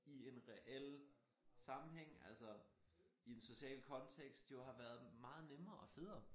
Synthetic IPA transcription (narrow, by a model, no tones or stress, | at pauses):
ie̝nʁɛʔel̰ | sɑ̈mm̩ɦeŋ̰ælsɒ | ie̝nso̝ɕɛ̰ːlkʰɒ̽nt͡sʰeɡ̥sd̥jo̝ɦɑ̈ʋæːɐð̞ˠmɑ̈ːð̞̩ˠnemɐːʔɒ̽feð̰ˠɐ